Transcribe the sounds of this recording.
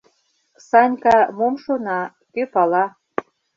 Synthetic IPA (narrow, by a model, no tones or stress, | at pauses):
sɑnʲkɑmomʃonɑ | køpɑlɑ